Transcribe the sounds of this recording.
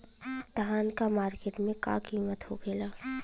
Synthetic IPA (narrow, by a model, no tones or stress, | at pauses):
d̪aːnkamaːɾkeːʈmẽka̰kiːmət̪ho̰kʰeːlaː